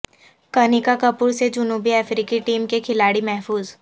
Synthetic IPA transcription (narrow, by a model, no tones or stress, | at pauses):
kɐnikakɐpʊɾsed͡ʒʊnuːbiɛːfɾiːkiʈiːmkekʰɪlaːɽimɛɦfuːz